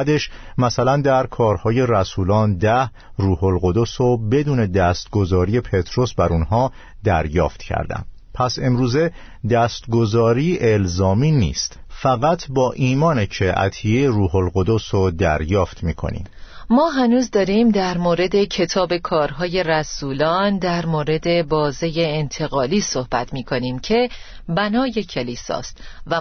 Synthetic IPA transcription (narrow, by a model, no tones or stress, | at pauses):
d̪e̞ʃmæsælænd̪æɾkʰɒːɾhɒːje̞ræsuːlɒːnd̪æh | ruːholɣo̞d̪o̞sobe̞d̪uːne̞d̪æst̪̚ɡo̞zɒːɾije̞pʰe̞t̪ʰɾo̞sbæɾunɦɒː | d̪æɾjɒ̰ːft̪cʰæ̰ɾd̪æ̰n | pʰæse̞mɾuːze | d̪æst̪ɡo̞zɒːɾiːʔelzɒːmiːnḭːst̪fæɣæt̪ʰbɒːʔiːmɒːnet͡ʃʰeʔæ̰t̪ʰieɾuːɦolɣo̞d̪osod̪æ̰ɾjɒːft̪miːkʰo̰nḭːmmɒːɦænuːzd̪ɒːɾimd̪æɾmoːɾe̞d̪e̞cʰe̞t̪ʰɒːbe̞kʰɒːɾɦɒːje̞ræsuːlɒːnd̪æɾmoːɾe̞d̪e̞bɒːzejeːnt̪ʰe̞ɣɒːliːso̞hb̥æt̪ʰmiːkʰo̞niːmcʰe̞ | bænɒːje̞cʰe̞liːsɒ̰ːst̪væ